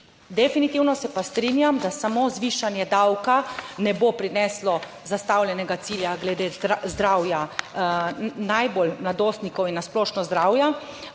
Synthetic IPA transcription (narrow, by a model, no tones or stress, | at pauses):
d̪ɛfinit̪iwnɔsɛpast̪ɾinjamd̪asamozʋiːʃanjɛd̪awkanɛbopɾinɛslɔ | zast̪awljɛnɛɡat̪siːljaɡlɛd̪ezd̪ɾaːwja | najbolnad̪oːst̪nikɔwinːasplɔːʃnɔzd̪ɾawja